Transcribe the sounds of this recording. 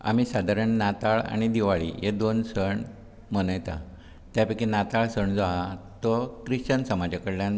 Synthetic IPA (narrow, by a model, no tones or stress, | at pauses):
a̰m̤isad̪ʱaɾəɳnat̪aɭa̰ɽ̃id̪iʋaɭḭɦed̪onsəɳ | mənəjt̪a̰ | t̪japikinat̪aɭsəɳd͡zaɦat̪ɔkɾiɕt͡ɕənsəmad͡ʑakəɽljãn